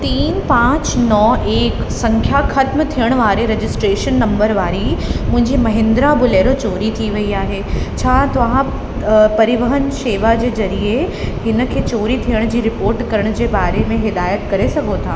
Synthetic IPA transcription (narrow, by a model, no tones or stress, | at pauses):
t̪iːnpãːt͡ɕnɔːʔeːk | sɐ̃ŋkʰjaxɐt̪mt̪ʰijəɽ̃ʋaːɾeɾed͡ʑɪsʈɾeːʃənːɐ̃mbəɾʋaːɾimʊ̃ɦɪ̃ɲd͡ʑimɐɦɪ̃nd̪ɾabʊleːɾot͡ɕoːɾit̪ʰiʋɐiaːɦet͡ɕʰaːt̪ɐʋ̤ã | pɐɾɪʋəɦənʃeːʋad͡ʑeːzɐɾiehɪnə̆kʰeːt͡ɕoːɾit̪ʰijəɽ̃d͡ʑiːɾɪpoːɾʈkɐɾəɽ̃d͡ʑeːbaːɾemẽɦɪd̪aːjət̪kɐɾesɐɡʱot̪ʰaː